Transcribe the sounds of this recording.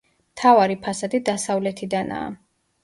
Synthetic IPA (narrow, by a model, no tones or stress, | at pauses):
mt̪ʰavaɾipʰasad̪id̪asavlɛt̪ʰid̪ana̰ː